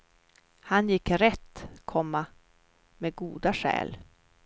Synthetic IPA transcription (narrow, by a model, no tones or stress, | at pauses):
hanjɪkːɾɛt̪ːkʰɔmːa | meɡuːd̪aʂɛ̰ːl